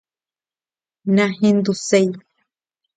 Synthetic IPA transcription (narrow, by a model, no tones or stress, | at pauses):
nãɦĩnd̪usej